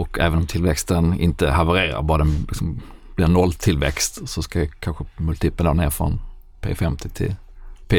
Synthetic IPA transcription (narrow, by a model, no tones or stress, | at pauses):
ɔkʰɛ̰ːvənɔmt̪ʰɪlʋɛkst̪ənɪ̰nt̪əhɑvəɾeːɾa̰ɾbɑːɾəɛlɪksɔmb̥lɪɾnɔlːt̪ʰɪlʋɛ̰kst̪sɔskɑjakʰanɧəmɵlt̪ʰiːpənɑneːɾfɾɔ̰n | pʰḛːfɛmt̪ʰɪ̥t̪ʰɪ̰pʰe